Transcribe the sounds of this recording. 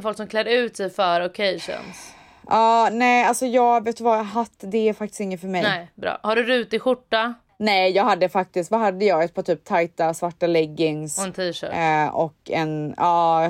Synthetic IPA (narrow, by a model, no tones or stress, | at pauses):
fɔlksɔmkʰlɛd̪əʉ̟ːt̪sɛfœːɾɔkʰejʂə̰ns | ʔɑːnɛːalsɔjɑːɡveːt̪ɵvajɦat̪ːd̪ɛæɾfak̚t̪ɪst̪ɪŋːənfœɾmɛnɛbɾɑ̰ːhaɖɵɾʉ̟ːt̪ɪtɧʊʈːa | nɛjɑːɡɦad̪ːəfak̚t̪ɪst̪vaɦad̪ːəjɑːɡɛt̪̚pʰɔt̪ʰyːp̚t̪ʰajt̪asvaʈːalɛɡːɪŋsɔɛnt̪ʰiːʂœ̰ːɔkːɛnɑː